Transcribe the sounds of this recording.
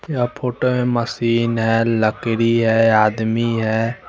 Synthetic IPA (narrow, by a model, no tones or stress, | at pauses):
japʰoːʈomeməsiːnɦɛləkɾiɦɛaːd̪miɦɛː